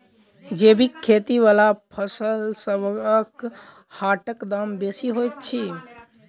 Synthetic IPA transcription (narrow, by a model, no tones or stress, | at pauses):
d͡ʒebʱikʰːet̪iʋalapʰəsəlsəbək | haʈəkd̪ambesiɦojt̪̚t͡ʃʰi